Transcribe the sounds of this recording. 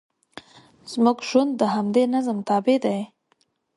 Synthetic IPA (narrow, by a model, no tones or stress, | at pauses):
z̥muɡʒwand̪ːəɦamd̪enazəmt̪ɑbed̪aj